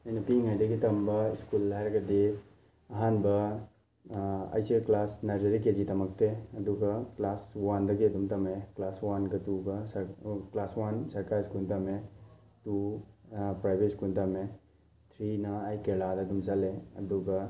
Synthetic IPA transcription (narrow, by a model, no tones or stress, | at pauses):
ɐjnɐpiŋajd̪ɐɡit̪ɐmbɐiskulːajɾɐkɐd̪e | ɐɦanbɐ | ɐ̰jseklaːsnɐɾd͡ʒɐɾik̬ed͡ʒit̪ɐmɐk̚t̪eɐd̪ukɐklaːswand̪ɐɡid̪umt̪ɐmeklaːswankɐt̪ukɐsɐklaːswansɐɾkaɾiskult̪ɐme | t̪u | pɾajbetskult̪ɐme | t̪ʰɾinaajkelaːd̪ɐd̪umsɐleɐ̰d̪ukɐ